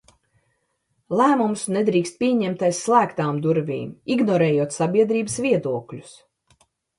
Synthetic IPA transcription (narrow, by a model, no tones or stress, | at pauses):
lˠæːmumsned̪ɾiːkst̪̚pʲiɛɲɛmt̪ajsːlˠæːkt̪aːmd̪uɾvḭːmiɡnɔɾɛːjuɔt̪sabʲiɛd̪ɾiːbəsvʲiɛd̪uɔklʲu̥s